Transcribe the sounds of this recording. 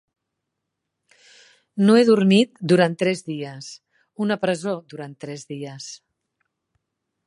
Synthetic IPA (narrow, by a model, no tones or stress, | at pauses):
noeðuɾmit̪d̪uɾant̪ːɾɛzðiəs | unəpɾəzod̪uɾant̪ːɾɛzðiəs